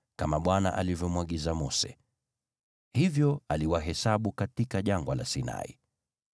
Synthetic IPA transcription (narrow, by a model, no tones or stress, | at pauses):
kamaɓwana̰ʔalivjɔmwaɠizamɔsɛ̰ | hivjɔaliwaɦɛsaɓukatikaʄaŋɡwalasina̰ḭ